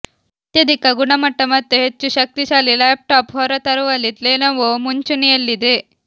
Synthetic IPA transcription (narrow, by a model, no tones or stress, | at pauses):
ɐt̪jɐd̪ikɐɡuɳɐmɐʈːɐmɐt̪ːuɦet͡ʃːuʃɐk̚t̪isaːlilaːp̚ʈaːpɦɔːɾɐt̪ɐɾuʋɐlːit̪leːnɐʋumuɲt͡ʃunijɐlːid̪e